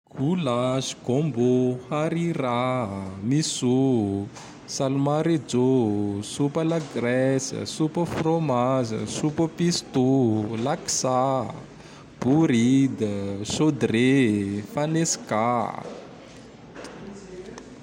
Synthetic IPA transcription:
ɡ̥ulasi̥ɡombohaɾiɾamisu | salmaɾid͡zosupəlaɡrɛsə̰supəfromazə̰supəpist̪ulaksa | b̥uɾid̪əsod̪refanesi̥ka

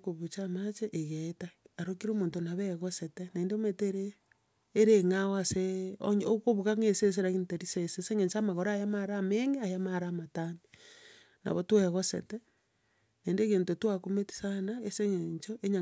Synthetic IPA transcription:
koβut͡ʃamat͡ʃeʔeɣetaaɾokiɾomoːntonaβeɣosetenaendemeteɾeː | ɾeŋaoaseoɲokoβuɣaŋeses̬eɾaɣinteɾiseseseŋeɲt͡ʃamaɣoɾajamaɾameŋeajamaɾaːmatani | na̰βotweɣosḛte | naendeɣeːntotwakometi̥sanaeseŋeɲt͡ʃoʔeɲa

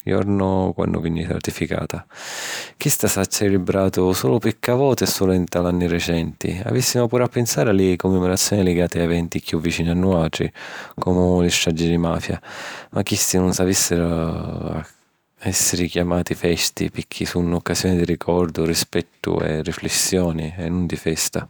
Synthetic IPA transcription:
jɔ̰ɾnɔkwa̰nːʊ̰vinːisa̰ɾt̪ifika̰ːt̪a | k̟ist̪asat͡ʃːɛlɪbɾaːt̪ʊsɔːlʊpikʰːavɔːt̪ɛsɔːlʊint̪alanːirɛt͡ʃɛnt̪ḭa̰visːimʊpuːɾapːensaːɾalɪkumːɛmɔɾat̪sːjɔːnɪlɪɡaːt̪ɪaɛvɛnt̪ikjuvːit͡ʃiːnianːuaːʈ̪ɾḭkɔmʊlɪsʃt̪ɾad͡ʒːid̪imaːfja̰makːist̪inʊnsavisːɪɾʊa̰ | ɛsːɪɾikjamaːt̪ifɛst̪ḭpɪkʰːisunɔkːaszjɔːnid̪irikʰɔɾd̪ʊrispɛt̪ːʊ̰ɛ̰rːiflɛsːjɔːniɛnːund̪ifɛst̪a

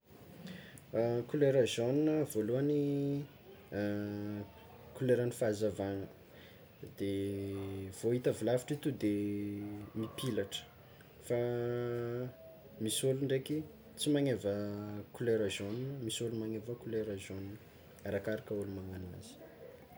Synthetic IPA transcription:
kuleɾazoninəvoluani | kuleɾanifazavaŋə | d̪̥e | v̥oit̪əvulavi̥ʈ͡ʂit̪ud̪e | mipilaʈ͡ʂə̥ | fa | misoluɳɖ͡ʐeki | t͡simaŋevəkuleɾazonunəmisolumaŋevəkuleɾazonunə | aɾakaɾakəulumaŋanina̰z̥i̥

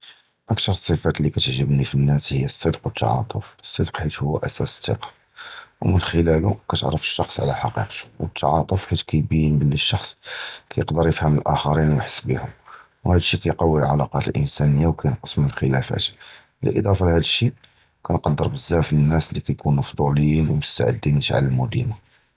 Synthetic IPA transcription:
ʔək̚t̪ɑɾˤəsˤːəfæt̪lːikæt̪əʕʒəbnifinːæshəjːæsˤːəd̪qwət̪ːɑ̰ʕɑ̰t̪ˤofəsˤːəd̪qħit̪hʊːæʔæsæst̪ḭq | wmənxəlælukæt̪ə̰ʕɾəfə̥ʃːɑxsˤʕ̰læħɑqḭqt̪u̥wət̪ʰːɑʕɑt̪ˤofħit̪kæjbijənbəlːiʃːɑxsˤkæjəqd̪əɾˤjəfhəməlʔæxɑɾinwjħə̥sːbihʊm | whæd̪əʃːikæjqɑwːəlʕɑ̰lɑqɑt̪əlʔə̰nsænəjːawkæjənqəsmənəlxəlæfæ̰t̪ | lə̰ʔə̰d̪ˤɑfɑlhæd̪əʃːi | kænqɑd̪ːəɾˤbəzːæfnːæslikæjkunmɑfd̪ˤuləjinwəmʊst̪a̰ʕə̰d̪ːinət̪ʕa̰ləlmʊd̪ḭma

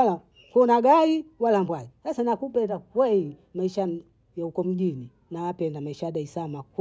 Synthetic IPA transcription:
ala | kɔnaɡaiwalambwaisasanakupɛndakwɛimaiʃa | jaukɔm̩ʄini | nawapɛndamaiʃajaɗaisamak

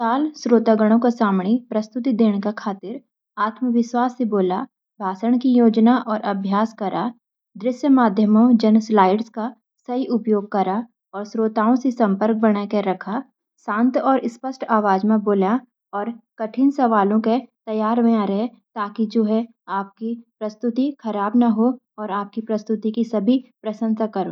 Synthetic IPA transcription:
saːlsɾoːt̪aɡəɽ̃õkesaːmɽipɾɐst̪ʊt̪id̪eːɽ̃kakʰaːt̪ɪɾ | aːt̪məʋɪʃwaːsːeboːla | bʱaːsəɽ̃kijoːd͡ʒnaʔɔːɾʔɐbʱjaːskɐɾʔa | d̪ɾɪʃjəmaːd̪ʱjəmõd͡ʒɐnslaːɪɖska | sɐɦiʔʊpjoːɡ̚kɐɾa | ɔːɾsɾoːt̪aːõsesɐ̃mpəɾk̚bəɽ̃akeɾɐkʰa | sãːnt̪ɔːɾɪspəsʈʰaːʋaːd͡ʒmẽboːla | ɔːɾkɐʈʰɪnsɐʋaːlõket̪ɐjaːɾʋejãɾɐɦe | t̪aːkid͡ʒoːɦɛ | aːp̚kipɾɐst̪ʊt̪ikʰɐɾaːbnaɦo | ɔːɾaːp̚kipɾɐst̪ʊt̪ikisɐbʱipɾɐsə̃nsakɐɾo̰ː

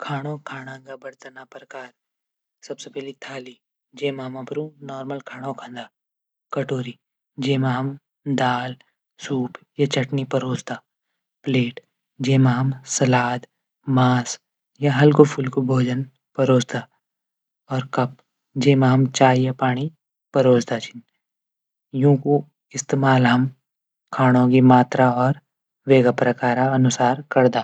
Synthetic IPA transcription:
kʰaːɽ̃okʰaːɽ̃ãːɡabɐɽt̪anapɾɐkaːɾ | sɐbsepɛɦlit̪ʰaːli | d͡ʒeːmaːmãpɐɾũnɔːɾməlkʰaːɽ̃õkʰãnd̪aː | kɐʈoːɾi | d͡ʒeːmaːm | d̪aːl | suːp | jat͡ʃɐʈnipɐɾoːd͡ʒt̪aː | pleːʈ | d͡ʒeːmaːmsɐlaːd̪ | maːs | jaɦɐlkopʰʊlkobʱoːd͡ʒən | pɐɾoːd͡ʒd̪aː | ɔːɾkɐp | d͡ʒeːmaɦɐmt͡ʃaːjapaːɽ̃i | pɐɾoːd͡ʒd̪at͡ʃʰɪn | jũːko | ɪst̪eːmaːlɦɐm | kʰaːɽ̃õkimaːt̪ɾaɔːɾ | ʋeːɡapɾɐkaːɾaɐnʊsaːɾkɐɾd̪aː

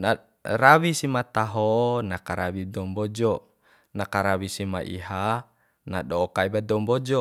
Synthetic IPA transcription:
na | rawisimat̪aɦonakaɾawidɔmbɔd͡ʒɔ | nakaɾawisimaʔḭɦa | naɗoːkaibadɔmbɔd͡ʒɔ

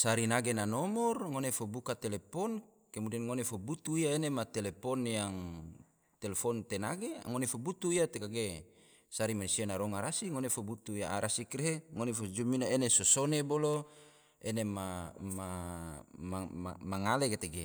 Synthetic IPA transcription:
saɾinaɡenanɔmɔrŋonefobukat̪elepɔn | kemudɛnŋonefobut̪uijaenemat̪elepɔnjaŋ | t̪elefɔnt̪enaɡea̰ŋonefobut̪uijat̪ekaɡe | saɾimansianaɾɔŋaɾasiŋonefobut̪uijaaɾʔasikreɦeŋonefod͡ʒuminaenesosonebolo | enemama | ma̰maŋaleket̪eɡe

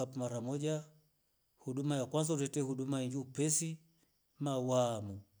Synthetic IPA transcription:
apumaɾamɔd͡ʒa | huɗumajakwas̬autɛtɛhuɗumaiɲd͡ʒiupɛsi | mawamu

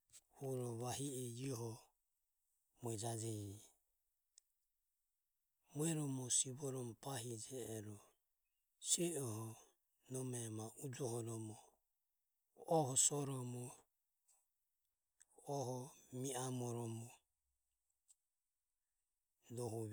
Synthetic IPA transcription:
huɾɔβahiɛd͡ʒiɔɦɔ | muɛd͡ʒad͡ʒɛ | muɛɾɔmɔsiβɔɾɔmɔpaɦid͡ʒɛːɾɔ | sɛɔhɔ | nɔmɛmaʔud͡ʒɔhɔnɔmɔ | ɔhɔsɔɾɔmɔ | ɔɦɔmiamɔɾɔmɔ | dɔɦu

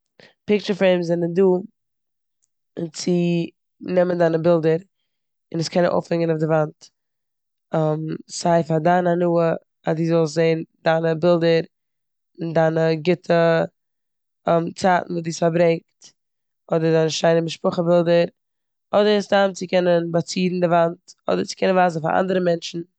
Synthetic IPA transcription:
pɪk̚t͡ʃəfeɪmzɛnənduː | t͡sɪ | nɛməndanəbɪlˠdəɾ | ɪnəskʰɛnənʔo̰ʊfhɛŋənaʊfdɪvant | amsaɪfadananuːə | adiːzɔlˠs̬zeɪndanəbɪlˠdəɾ | ɪndaːnəɡɪtʰə | mt͡saːtn̩vuːdiːsfaɾbɾɛŋkt | ɔdəɾdaːnəʃaɪnəmɪʃpʊχəbɪlˠdəɾ | ɔdəɾəsdamt͡sɪkʰɛnənbat͡siːdn̩dɪvantɔ̰dəɾt͡sɪ̥kʰɛnənvaːz̬n̩fa̰ɾʔa̰ndəɾəmɛnʃn̩

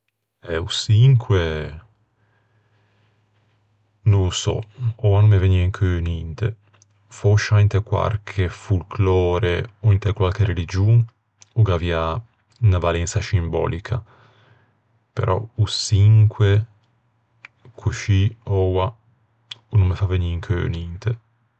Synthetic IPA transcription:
ɛusiŋkʰwe | nũusɔ̰ɔanumːeveniaŋkʰønint̪ḛ | foʃaint̪ekwa̰lkʰefulklɔːɾeoint̪ekwalkeɾelid͡ʒun | uɡavia | navalɛnt̪saʃimbɔ̰ːlikʰa̰ | pḛɾʔɔ̰usiŋkwe | kʰuʃiɔwa | unumːefaveniŋkʰø̰nint̪e

